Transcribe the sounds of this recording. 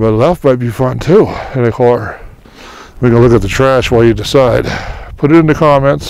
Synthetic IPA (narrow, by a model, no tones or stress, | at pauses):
bʌtˡlɛfmaɪt̚b̥ifʌ̃ntʰuɛnikʰɑɹ | wiɡʌ̃nəlʊkɨt̪̚ðɨtʰɹ̥æʃwaɪlˠjɨdɨsaɪd̥pʰʊɾɨɾɪ̃ntʉkʰɑmɛ̃nts